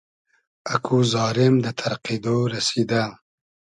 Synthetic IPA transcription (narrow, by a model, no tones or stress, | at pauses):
akʰuzɑːɾɪmd̪ət̪ʰaɾqid̪oɾasid̪a